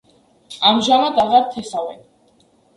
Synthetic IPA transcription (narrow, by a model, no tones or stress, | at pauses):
amʒamad̪aʁaɾt̪ʰɛsavɛ̰n